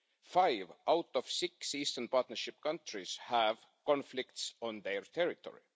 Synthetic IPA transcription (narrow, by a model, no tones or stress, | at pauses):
fajvʔawt̪ov̥sɪksiːst̪ənpɑːˑt̪nəɹʃɪpkʌ̃nt̪ɹishæv | kõnflɪkt̪sõnðeɹt̪ʰeɹit̪ʰo̰ɹḭ